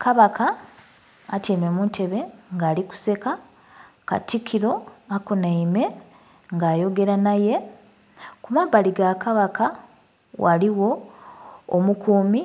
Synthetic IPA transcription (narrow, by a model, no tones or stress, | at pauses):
kaβakʰaː | teːme̞muːntʰe̞βe̞ŋɡaːliku̥se̞ka | ka̰tikʰiɾo̞akunaime̞ | ŋɡaːjo̞ɡe̞ɾanaje̞ | kumaβaliɡakaβaka | waliwo̞ː | mukuːmi